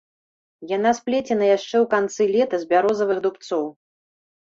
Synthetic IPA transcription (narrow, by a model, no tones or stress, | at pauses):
janasplʲɛt͡sʲɛnɐjaʂt͡ʂɛwkant̪sɨlʲɛt̪ɐzʲbʲaɾɔzɐvɨɣd̪upt̪sɔw